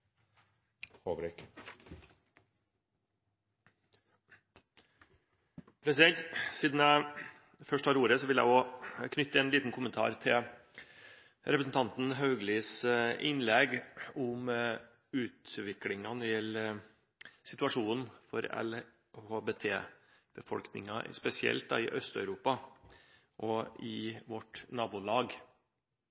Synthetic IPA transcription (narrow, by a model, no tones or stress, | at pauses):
hoːʋɾɪk | pʰɾɛsɪd̪ɛnt̪siːd̪n̩jæɪ | fœʂʈhɑːɾuːɾəsɔʋɪljæ̰ɪoːkʰnʏt̪ːəɛːnliːt̪n̩kʰʊmənt̪ʰɑ̰ːɾt̪ʰɪl | ɾɛpɾəsn̩t̪ʰɑnt̪n̩ɦɑʉɡliːsʔɪnlɛɡʊm | ʉːt̪ʋɪklɪŋɑnɛɾjɛlːə | sɪt̪ʉɑʂuːn̩fɔ̰ɾɛ̰l | hoːbeːt̪ʰḛː | b̥əfɔ̰lknɪ̰ŋɑʔɪ̰spɛsɪɛ̰lt̪d̪ɑɪʔœst̪œʉɾuːpɑ | ʔɔɪʋɔʈnɑːbulɑːɡ